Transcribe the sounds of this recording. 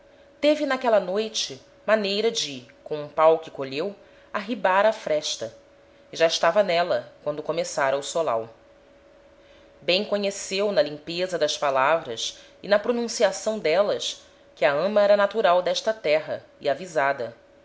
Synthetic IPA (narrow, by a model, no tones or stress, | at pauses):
t̪evɪnakɛlɐnojt͡ʃɪ | manejɾɐd͡ʒɪkõũpawkɪkoʎew | aɦibaɾɐfɾɛʃt̪ɐ | ɪʒaɪʃt̪avɐnɛlɐkwɐ̃nd̪ʊkomesaɾɐusola̰w | bẽj̃koɲesewnɐlĩpezɐd̪ɐspalavɾɐs | ɪnɐpɾonũsiasɐ̃w̃d̪ɛlɐs | kɪɐɐ̃mɐɛɾɐnat̪uɾawd̪ɛʃt̪ɐt̪ɛɦɐ̰ | ḭavizad̪ɐ